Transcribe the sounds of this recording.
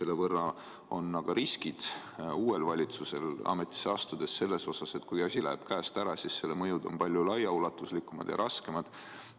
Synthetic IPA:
se̞lːevɤrːɑ | o̞nːɑɡ̥ɑɾʔiskid̪̥ | uːe̞lvɑlʲit̪suse̞lɑ̰me̞t̪ːˑi̥seɑst̪ud̪̥e̞sːe̞lːe̞so̞sɑse̞t̪kujɑsʲilæ̰ːb̥kæːst̪æɾɑsisːelːemɤjud̪o̞̰mpɑlʲjulɑjɑulɑt̪ːˑuslikːˑumɑd̪̥jɑ̰ɾʔɑske̞mɑd̪̥

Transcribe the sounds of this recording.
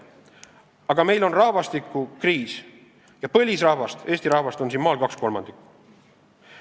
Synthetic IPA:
ɑɡ̥ɑme̞jlo̞nrɑhvɑst̪ikːˑukriːs | jɑpɤ̞lʲisrɑhvɑst̪e̞ːst̪iɾɑhvɑst̪o̞nsinmɑːlkɑksko̞lmɑ̰nd̪ikː

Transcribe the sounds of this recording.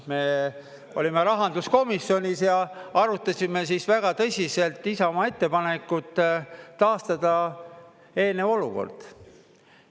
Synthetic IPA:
me̞ | o̞lime̞ɾɑɦɑnd̪usko̞misːjo̞nʲisjɑɑɾut̪ːˑɑsime̞sisvæɡ̥ɑt̪ɤsʲise̞lt̪ˑːisɑomɑe̞t̪ːe̞pɑne̞kːˑut̪ˑː | ɑːst̪ɑd̪̥ɑ | e̞ːneo̞luko̞̰rd̪̥

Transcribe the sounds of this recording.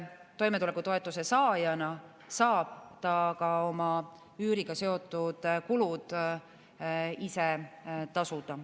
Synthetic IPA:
t̪o̞jme̞t̪ule̞kːut̪o̞e̞t̪ːˑuse̞sɑːjɑnɑ | sɑːb̥t̪ɑkɑo̞mɑ | yːɾiɡ̥ɑse̞o̞t̪ːˑud̪̥kulud̪̥ | iset̪ɑsud̪̥ɑ

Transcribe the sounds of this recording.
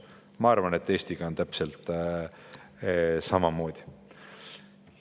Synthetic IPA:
mɑɑrvɑnet̪ːˑe̞ːsʲt̪iɡ̥ɑo̞nt̪æpselt̪ | sɑmɑmo̞ːd̪̥ʲi̥

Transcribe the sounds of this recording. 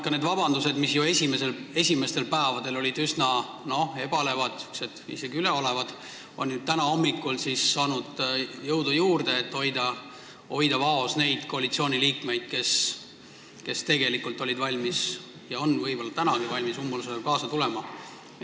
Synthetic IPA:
kːɑne̞d̪vɑb̥ɑnd̪use̞d̪misjoe̞sʲime̞se̞le̞sʲime̞st̪e̞lpæːvɑd̪e̞lo̞lʲid̪ysnɑ | no̞e̞b̥ɑle̞vɑd̪̥ykse̞d̪̥ḭse̞ɡ̥iyleo̞le̞vɑd̪̥ | o̞nʲjud̪̚t̪ænɑo̞mːikːulsisːɑːnud̪̥jɤwd̪ujuːrd̪̥e̞ːt̪ːo̞jd̪̥ɑ | o̞jd̪ɑvɑo̞sne̞jd̪̥ko̞ɑlit̪sio̞ːnʲiliːkme̞jd̪̥̚ke̞s | ke̞st̪e̞ɡe̞likːult̪ˑo̞lʲid̪vɑlʲmis | jɑo̞nvɤjb̥o̞lːɑt̪ænɑɡ̥ivɑlʲmisumːɑluseelkɑːsɑt̪ule̞mɑ

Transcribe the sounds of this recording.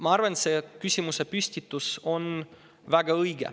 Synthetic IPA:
mɑɑrvɑnsekysʲimuse̞pysʲt̪it̪ːˑuso̞n | væɡ̥ɑɤjɡ̥ḛ

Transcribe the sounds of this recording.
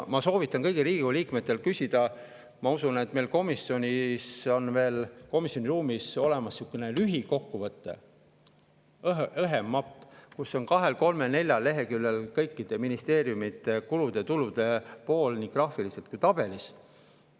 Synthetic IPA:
mɑso̞ːvit̪ːˑɑnkɤ̞jɡ̥iɾiːɡikuliːkme̞t̪ːˑe̞lkysʲid̪̥ɑ | mɑusunet̪ːme̞jlko̞misːio̞nʲiso̞nve̞ːlko̞misjonʲiɾuːmiso̞le̞mɑsːiukːˑunelyɦiko̞kːuvɤt̪ˑːe̞̰ | ɤɦemːɑpːˑkusːo̞nkɑɦe̞lko̞lme̞ne̞lʲjɑlːe̞ɦe̞kylːelkɤjkːˑid̪̥e̞minist̪e̞ːɾjumit̪ːˑekulud̪̥e̞t̪ulud̪̥e̞po̞ːlniŋkrɑhfilise̞lt̪̚kujt̪ɑb̥e̞lis

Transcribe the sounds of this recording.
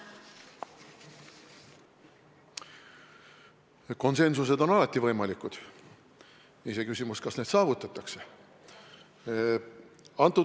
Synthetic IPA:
ko̞nse̞nsuse̞d̪o̞nɑlɑt̪ˑːivɤjmɑlikud̪̥ | isekysʲimuskɑsne̞ːd̪sɑːvut̪ːˑɑt̪ːˑɑkse̞̥ | ɑnt̪ːˑu

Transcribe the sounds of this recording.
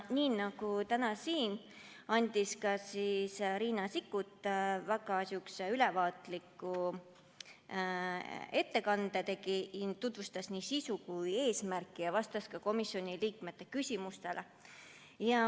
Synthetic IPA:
niːnɑɡut̪ænɑsiːn | ɑnʲd̪̥ʲiskɑsisɾiːnɑsikːˑut̪ːˑvæɡɑsjukseylɛvɑːt̪likːˑu | e̞t̪ːe̞kɑnd̪̥et̪e̞kit̪ut̪vust̪ɑsniːsisukuje̞ːsmærkːˑijɑvɑst̪ɑskɑko̞misjo̞nʲiliːkme̞t̪ˑːe̞kysʲimust̪e̞lʔe | jɑ

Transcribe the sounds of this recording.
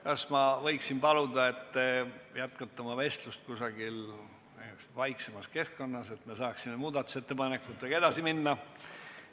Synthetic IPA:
kɑsmɑvɤjksinpɑlud̪ɑe̞t̪ːjæt̪kɑt̪ːˑɑmɑve̞st̪lust̪̚kusɑɡ̥il | e | vɑjksemɑske̞skːo̞nːɑse̞t̪me̞sɑːksimemuːd̪̥ɑt̪ːˑu̥se̞t̪ːe̞pɑnekːˑut̪veɡ̥ɑe̞d̪̥ɑsiminːɑ

